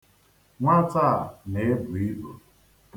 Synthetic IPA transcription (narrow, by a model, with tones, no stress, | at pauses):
ŋʷa˦ta˦˨a˨ne˨e˦bʊ˨i˦bo̰˨